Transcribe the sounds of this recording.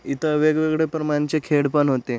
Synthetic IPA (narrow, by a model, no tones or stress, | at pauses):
it̪ʰəʋeɡʋeɡɽepɾəmant͡ɕekʰeɽpəɳɦot̪e